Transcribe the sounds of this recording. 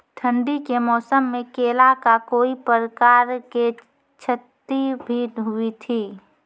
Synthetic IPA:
ʈ̪ʰə̃ɳɖikemɔːsəmːẽkeːlakakoːipəɾəkaːɾke | t͡ʃʰət̪ːibʱidɦuit̪ʰiː

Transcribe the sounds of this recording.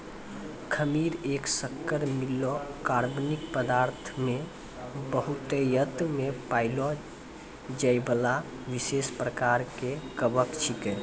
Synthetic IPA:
kʰəmiɾeːksəkːəɾmilːokaɾbnik̚pəd̪aɾt̪ʰme | bəɦut̪ejət̪mepailo | d͡ʒəjbəla | ʋisespɾəkaɾkekəbəkt͡ʃʰikɛ̃

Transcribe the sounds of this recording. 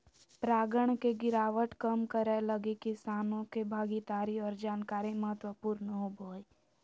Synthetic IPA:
pɾaːɡəɳ̃keɡɪɾaːʋəʈkəmkəɾɛləɡekɪsaːnõkebʱaːɡit̪aːɾiɔːɾd͡ʒaːnkaːɾẽməɦət̪wəpuːɾnəɦobʱoːe

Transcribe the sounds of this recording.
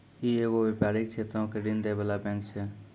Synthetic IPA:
ieːɡoʋepjaːɾɪkt͡ʃʰeːt̪ɾõkeɖɪnd̪eːbəlabɛ̃ːŋkt͡ʃʰeː

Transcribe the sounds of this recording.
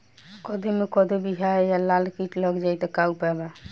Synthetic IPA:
kɔd̪ʱemekɔd̪ʱebiɦajalalkiʈləɡd͡ʒajt̪ɔkaupɛba

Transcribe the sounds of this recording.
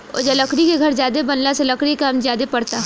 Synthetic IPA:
o̰d͡ʒalɐkɾikeɡʱɐɾzjaːd̪ebɐnlaselɐkɽikaːmzjaːd̪epɐɽt̪aɦ

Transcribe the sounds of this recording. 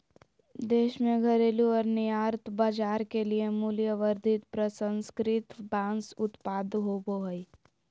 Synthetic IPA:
d̪eːʃmẽɡʱɐɾeːluɔːɾnijaːɾt̪baːd͡ʒaːɾkeliemuːlijəʋəɾd̪ʱɪt̪pɾəsə̃nskɾɪt̪bãːnsʊt̪paːd̪ɦoboɦəi

